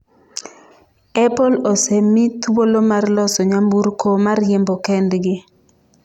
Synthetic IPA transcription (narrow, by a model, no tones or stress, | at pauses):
ɛpolosemːit̪uwolomarlɔsɔɲambuɾkʰomarjembɔkɛndɡɪ